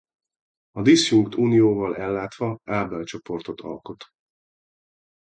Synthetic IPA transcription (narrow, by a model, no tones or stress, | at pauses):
ɒd̪isjuŋkt̪ʰuːnijoːvɒlɛlːaːt̪ʋɒaːbɛlt͡ʃo̞po̞rt̪o̞t̪ʰɒ̰lko̞t̪